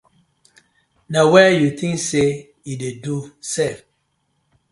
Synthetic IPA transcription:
nawɛjut̪ʰĩŋkse | jidedusef

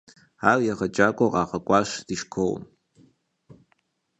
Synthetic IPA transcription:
aːrjaʁɐt͡ʃʼaːkʷʼɔqʼɑːqɐkʷʼɑːʂd̥iʃkʷʰow̰m

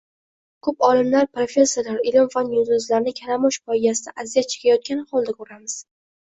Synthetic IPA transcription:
kʰɵpɒlɪmlaɾpɾofʲe̞sːoɾlaɾɪlɪmfanjʊd̪ʊzlaɾnɪkʲʰaɾamɒʃpɒɪd̪asɪd̪aʔazijat̪̚t͡ʃʰɪ̥qʰajɒt̪̚kʲanɪχɒlˠd̪akʰɵɾamɪz̥

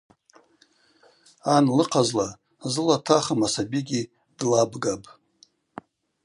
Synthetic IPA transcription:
anlɨqʰazla | zɨlatʰaχamasabiɡʲi | d̥labɡapʼ

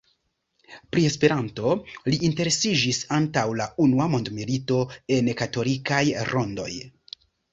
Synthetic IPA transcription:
pɾie̞spe̞ɾanto̞liʔːnte̞ɾe̞sid͡ʒisantawlaunuamo̞ndmilito̞e̞nkato̞likajɾʔo̞ndo̞̰j

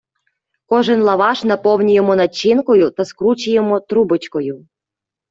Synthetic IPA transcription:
kɔʒɪnlˠɐʋɑʃnɐpɔwnʲijemɔnɐt͡ʃːinkɔjʊt̪ɐskɾut͡ʃɪjemɔt̪ɾubɪt͡ʃkɔjʊ

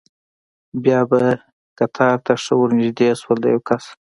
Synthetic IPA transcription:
bjɑba | kat̪ʰɑɾt̪ʰaʂəwʊɾnɪʒd̪eswəld̪ajawkas

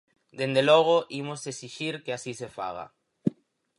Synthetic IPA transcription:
d̪end̪elɔɣ̞oʔimoseksiʃiɾkeasisefa̰ɣa̰

